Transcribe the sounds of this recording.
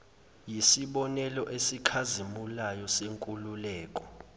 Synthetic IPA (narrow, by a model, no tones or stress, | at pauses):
jisiɓɔnɛlɔʔesikʰazimulajɔseŋkʼululɛːk̬ʼɔ̥